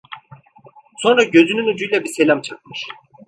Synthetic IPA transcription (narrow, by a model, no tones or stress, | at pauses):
so̞nɾaɟø̞zynynud͡ʒujlʲɛbiselʲamt͡ʃʰak̚mɯʃ